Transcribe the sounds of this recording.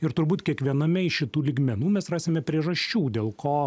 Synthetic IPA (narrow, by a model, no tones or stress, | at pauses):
ɪɾt̪ʊɾbuːt̪kʲiɛkʋʲiɛnɐmʲɛɪʃʲɪt̪uːlʲiːɡmʲɛnuːmʲɛsrɑːsʲemʲɛpʲɾʲiɛʒɐʃʲt͡ʃʲuːd̪ʲeːlˠkʰoː